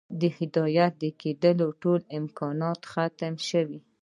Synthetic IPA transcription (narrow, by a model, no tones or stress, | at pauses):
d̪əhɪd̪ɑjat̪̚d̪əked̪əloʈolɪmkɑnɑt̪xat̪əmʃəwi